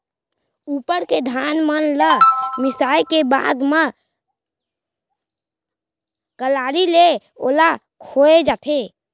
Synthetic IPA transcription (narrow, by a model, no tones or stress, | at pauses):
uːpəɾked̪ʱaːnmənləmɪsaːjkebaːd̪mə | kəlaːɾile | o̰ːla | kʰoːed͡ʒaːt̪ʰe